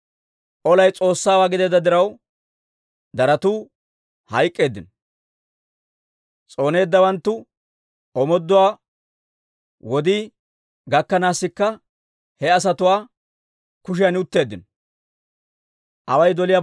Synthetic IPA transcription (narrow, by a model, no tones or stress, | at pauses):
ʔɔlɐjt͡sʼo̞ːsːaːwaːɡɪd̪ɛd̪ɐd̪ɪɾɐw | d̪ɐɾɐt̪uː | hɐjkʼːe̞ːd̪ːɪn | t͡sʼo̞ːne̞ːd̪ːɐwɐnt̪ːʊ | ɔmɔd̪ːɔwaː | wɔd̪ɪ | ɡɐkːɐnaːsːɪkːɐ | hɛɐs̬ɐt̪ʊwaː | kʊʃ̬ɪjanʊt̪ːe̞ːd̪ːɪnɔ | ʔɐwɐjd̪ɔlɪjaː